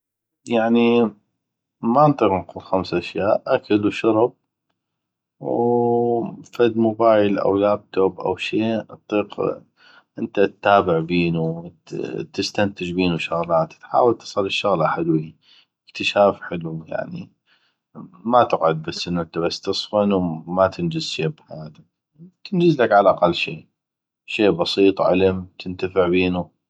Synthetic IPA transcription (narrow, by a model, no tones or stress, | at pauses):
jaʕni | mant̪ˤiːqnquːlxamsʔaʃjaːʔʔakalwʃɑɾb̚ | w | fad̪mʊbaːjlʔa̰wlaːb̚t̪oːbʔa̰wʃeːt̪ˤːiːq | ʔɪnt̪at̪ːaːbɪʕbiːnu | t̪ɪst̪ant̪ɪd͡ʒbiːnuʃʊɣlaːt̪t̪ħa̰ːwalt̪ɨ̥sˤɑlːɪʃːʊɣlʔaħalwi | ɪkt̪ɪʃaːfħɪluja̰ʕnḭ | mat̪ɪqʕʊd̪̚basːʔɪnːuʔɪnt̪abast̪ɨsˤfanwmat̪ʰɪnd͡ʒɪzʃeːbħajaːt̪ak̚ | t̪ɪnd͡ʒɪzlakʕalaʔɑqɑlːʃeː | ʃeːbɑsiːt̪ˤʕa̰lɪmt̪ʰɪnt̪afɪʕbiːnu